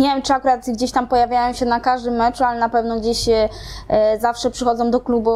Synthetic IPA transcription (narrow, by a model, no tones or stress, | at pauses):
ɲevʲjɛmt͡ʂɨakuɾat̪ɡd͡ʑeɕt̪ampɔjavʲjajɔw̃ɕɛnakaʐd̪ɘmːɛt͡ʂualɛnapɛvnɔɡd͡ʑeɕɛ | zafʂɛpʂɘxɔd̪zɔ̃w̃d̪ɔklubu